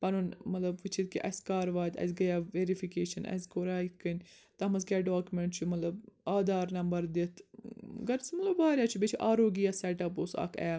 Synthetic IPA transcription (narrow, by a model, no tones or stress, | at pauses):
pɐnunmɐt̪lɐbʋɨt͡ʃʰit̪̚kiʔɐ̰sʲkaːɾʋaːt̪ʲɐ̰sʲɡɐjaʋeːɾifikeːʃɐnɐ̰sʲkoɾaːikɨnʲt̪ɐmɐzkʲaɖaːkʲumeɳʈ̚t͡ʃʰumɐt̪lɐbaːd̪aːɾnɐmbɐɾd̪it̪ʰɡɐɾsmɐt̪lɐbbaːɾʲjaːt͡ʃʰubʲet͡ʃʰuʔaːɾoːɡijaːseʈɐposɐ̰kʰɛ̰